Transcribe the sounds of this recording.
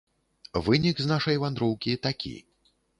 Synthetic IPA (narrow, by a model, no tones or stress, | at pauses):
vɨnʲikznaʂɐjvand̪ɾɔwkʲit̪akʲḭ